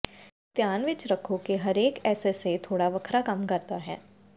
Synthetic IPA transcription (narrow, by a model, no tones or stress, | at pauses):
t̪jaːnʋɪt͡ʃɾɐkʰõkeɦɐɾeːkɛːseset̪ʰoːɽaʋɐkʰɾakɐmkɐɾt̪aɦɛ̰ː